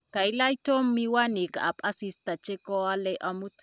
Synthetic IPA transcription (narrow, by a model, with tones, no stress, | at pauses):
ka˨jla˦jto˦mːi˦wa˦ni˨ka˨a˨pʼa˦si˦sta˨t͡ʃe˦kɔ˦a˦lɛ˦ʔa˦mu˦t